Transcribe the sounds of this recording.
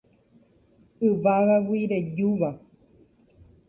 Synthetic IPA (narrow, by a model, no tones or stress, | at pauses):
ɨβaɣawiɾejuβa